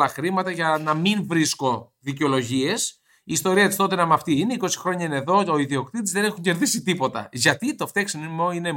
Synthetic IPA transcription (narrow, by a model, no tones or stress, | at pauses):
lɐxɾimɐt̪ɐʝɐnɐminvɾisko̞ | ðiceo̞lo̞ʝie̞s | iːst̪o̞ɾiɐt̪ist̪o̞t̪enɐmɐft̪iineiko̞si̥xɾo̞ɲɐineðo̞o̞iðio̞kt̪it̪izðene̞xuɲɟe̞ɾðisit̪ipo̞t̪ɐ̰ʝɐt̪it̪o̞ft̪eksinmoine̞